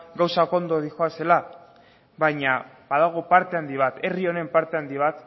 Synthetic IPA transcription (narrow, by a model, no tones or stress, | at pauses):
ɡawsako̞nd̪o̞ðixoase̞la | βaɲa | baðaɣ̞opaɾt̪e̞and̪iβ̞at̪e̞rio̞ne̞mpaɾt̪e̞and̪iβ̞at̪